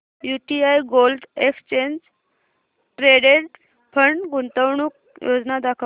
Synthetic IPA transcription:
juʈiajɡold̪ekst͡ɕeɲd͡ʑ | ʈɾeɖeɽ | pʰəɳɡunt̪əwɳuːk̚ | jod͡znad̪akʰə

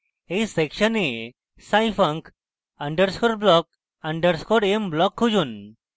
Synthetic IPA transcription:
ejsekɕəne | sajfaŋk | əɳɖəɾskʰoɾblɔk̚ | əɳɖəɾskʰoɾemblɔkʰːud͡ʑuːn

